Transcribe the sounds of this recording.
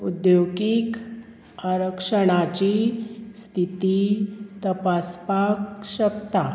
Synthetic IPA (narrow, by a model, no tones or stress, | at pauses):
ud̪joɡik | aɾəkʂəɽ̃at͡ɕist̪ʰit̪it̪əpaspakɕəkt̪a